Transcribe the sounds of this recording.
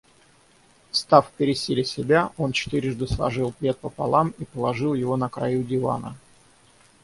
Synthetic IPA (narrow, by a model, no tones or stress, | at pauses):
st̪afpʲɪɾʲɪsʲilʲɪsʲɪbʲao̞nt͡ɕɪ̥t̪ɨɾʲɪʐd̪ɨslˠɐ̰ʐɨlˠplʲe̞t̪̚pəpa̰lˠamipəlˠɐʐɨlˠjɪvo̞nəkɾajudʲɪva̰nə̰